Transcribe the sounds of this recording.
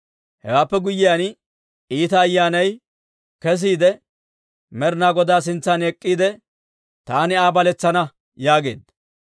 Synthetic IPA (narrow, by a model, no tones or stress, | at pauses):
hɛ̰waːpːɛɡʊjːɪjan | iːt̪ɐːjːaːnɐj | kɛs̬iːd̪ɛ | mɛɾnaːɡɔd̪aːs̬ɪnt͡sːɐnɛkʼːiːd̪ɛ | t̪aːnɪaːbɐlɛt͡sːɐnɐ | jaːɡe̞̰ːd̪ɐ